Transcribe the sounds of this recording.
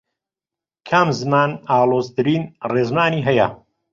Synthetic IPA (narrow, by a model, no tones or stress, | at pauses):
kʰɐmzɨmaːnaːlˠoːzt̪ɨɾiːnreːzmaːniːɦɐjɐ̰